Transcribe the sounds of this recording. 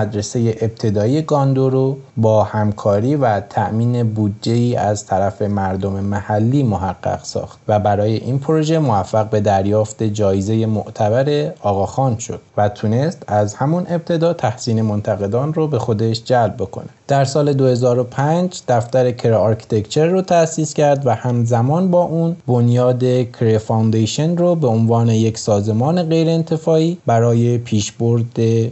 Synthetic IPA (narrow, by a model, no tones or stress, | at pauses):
æd̪ɾese̞je̞ʔeb̥̚t̪ʰe̞d̪ɒːije̞ɡɒːnd̪oɾobɒːhæmkʰɒːɾiːvæt̪ʰæʔmiːne̞bud̪d͡ʒe̞iːʔæzt̪ʰæɾæfe̞mæɾd̪o̞me̞mæhælːiːmoɦæɡːæ̰ɡ̥sɒ̰ːxt̪̚væbæɾɒːje̞ʔiːnpʰoɾo̞ʒe̞movæfːæɣbe̞d̪æɾjɒːft̪e̞d͡ʒɒːezeje̞mo̰ʔt̪ʰæbæɾe̞ɒːɣɒːxɒːnʃo̞̰d̪̥̚væt̪ʰune̞st̪æzhæmunʔe̞b̚t̪ʰe̞d̪ɒːt̪ʰæhsiːne̞mo̞nt̪ʰæɣe̞d̪ɒːnrobe̞xo̞d̪e̞ʃd͡ʒælb̚ːe̞kʰo̞̰ned̪̥æɾsɒːle̞d̪ohe̞zɒːɾo̞pʰænd͡ʒd̪̥æft̪æɾe̞kʰeɾeːɾkʰi̥t̪ʰe̞kt͡ʃʰe̞ɾːot̪ʰæsiːscʰæɾd̪væhæmzæmɒːnbɒːʔunbonjɒːd̪e̞kʰɾefawnd̪ejʃenrobe̞onvɒːne̞je̞csɒːze̞mɒːne̞ɣe̞jɾeːnt̪ʰe̞fɒːiːbæɾɒːje̞pʰiːʃboɾd̪e